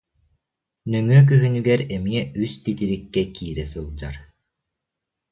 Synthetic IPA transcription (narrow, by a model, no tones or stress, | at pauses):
nœŋyɛk̬yɦynyɡɛɾɛmiɛyst̪it̪iɾikːɛkiːɾɛsɯlˠd͡ʑa̰ɾ